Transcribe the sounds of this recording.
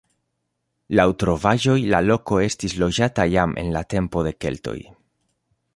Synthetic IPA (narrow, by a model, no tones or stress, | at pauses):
lawtɾo̞vaʒo̞jlalo̞ko̞e̞stislo̞d͡ʒatajamʔe̞̰nlate̞mpo̞de̞ke̞̰lto̞̰j